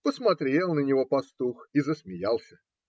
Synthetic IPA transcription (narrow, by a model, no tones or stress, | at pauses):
pəsmɐt̪ɾʲe̞lˠnənʲɪvo̞pɐst̪uxizəsmʲɪjalˠsʲə